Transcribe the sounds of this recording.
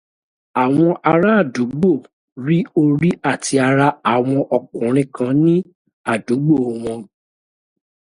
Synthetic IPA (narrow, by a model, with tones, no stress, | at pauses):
a˨w̃ɔ̃˧ʔa˧ɾa˦a˦˨du˨˦ɡ͡bo˦˨ | ɾi˦o˧ɾi˦ʔa˦˨tʰi˧a˧ɾa˧a˨w̃ɔ̃˧ʔɔ˨kũ˨ɾ̃ĩ˧˦kʰã˧˦nĩ˦ | a˦˨du˨˦ɡ͡bo˦˨w̃ɔ̃˧